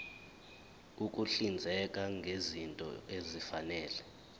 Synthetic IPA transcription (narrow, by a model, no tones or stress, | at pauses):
uk̬ʼuɬind͡zʱɛkʼaŋɡʱezintʼɔ̰ezifanɛːlɛ